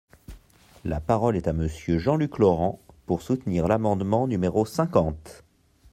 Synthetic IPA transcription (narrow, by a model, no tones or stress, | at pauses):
la̰paʁɔlɛt̪aməsjøʒɑ̃lyklɔʁɑ̃puʁsut̪niʁlamɑ̃d̪mɑ̃nymeʁosɛ̃kɑ̃t̪